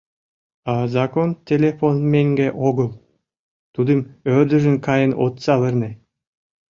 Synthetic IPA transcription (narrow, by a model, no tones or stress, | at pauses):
ɑzakont̪ʲelʲefonmʲeŋʲɡʲeʔoɡɤ̆lˠ | t̪ud̪ɨmørd̪ɘ̆ʒɘ̆nkɑjə̆no̰t̪sɑvə̆rnʲe